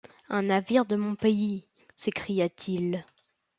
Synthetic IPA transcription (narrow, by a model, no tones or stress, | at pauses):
ɛ̃naviʁd̪əmɔ̃pei | sekχijat̪ʰil